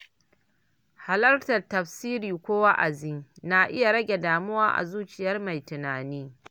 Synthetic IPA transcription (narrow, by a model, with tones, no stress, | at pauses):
ha˨lɐ˦rtɐ˨rtɐ˨ɸsiː˦ɾiː˨kʷoː˦wa˦ʔa̰˨zi˦na˦ʔɪ˦ja˨ɾɐ˦ɡʲe˨daː˨mʊ˦waː˦ʔa̰˨zuː˦t͡ʃɪ˨jɐ˦rma˨jtʊ˨naː˨niː˦